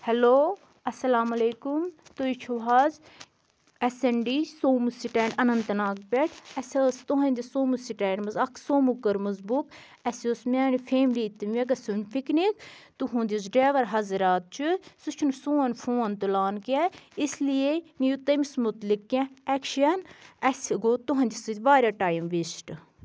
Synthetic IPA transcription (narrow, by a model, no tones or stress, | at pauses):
hɛloː | ɐsɐlaːmɐleːkumt̪oit͡ʃʰuʋɦaz | ɛseɳɖiːsoːmusiʈɛːɳɖɐnɐnt̪ɐnaːk̚pʲeʈʰɐsʲɐst̪oɦɐ̃nd̪ʲisoːmusiʈɛːɳɖmɐzɐkʰsoːmukːɐɾmɐzbuk | ɛsosmaːnifʰeːmlit̪ːimɐk̬ɐsunpʰiknik | t̪uɦũːnd̪ʲizɖɛːʋɐɾɦɐzɾaːt̪̚t͡ʃʰusut͡ʃʰunsoːnfʰoːnt̪ulaːnkɛislienijut̪ɐmismʊt̪likːʲãɛkʃɐnɐsʲiɡoːt̪oɦɐ̃nd̪ʲisɨt̪ʲʋaːɾʲaʈaːjmʋisʈ